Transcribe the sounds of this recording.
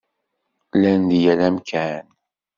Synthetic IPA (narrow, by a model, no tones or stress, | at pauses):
lænd̪ijælæmkʰæn